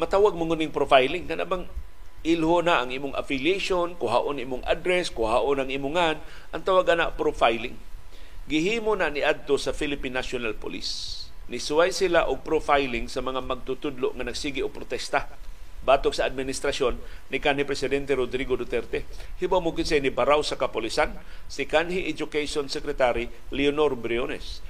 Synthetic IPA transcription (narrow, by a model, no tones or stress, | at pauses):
mɐt̪aːwaɡ̚mʊŋunɪŋpɾofajlɪŋkɐnʔa̰ʔbaŋ | ʔɪlhonaʔɐŋiːmʊŋʔa̰fɪljejʃonkʊɦaʔoniːmʊŋʔa̰d̪ɾɛskʊhaʔonɐŋʔiːmʊŋan | ʔɐŋt̪awaɡanapɾofajlɪŋɡɪhiːmonanɪʔad̪̚t̪osɐfilɪpinːasonalpʊ̰lḭsnɪsʊwajsɪlaʔʊɡ̚pɾofajlɪŋsɐmɐŋamɐɡ̚t̪ʊt̪ʊd̪loʔŋɐnɐɡsiːɡɪoɡ̚pɾot̪ɛst̪abaːt̪oksaːd̪̚mɪnɪst̪ɾasjonːɪkanhipɾɛsɪd̪ɛnt̪ɛɾod̪ɾiɡod̪ʊt̪ɛɾt̪ɛhibawmokɪnsɛnɪbaɾawsɐkapʊlisan | sɪkanɦiʔɛd͡ʒʊkejʃonsɛkɾɛt̪aɾi | lionoɾbɾionɛ̰s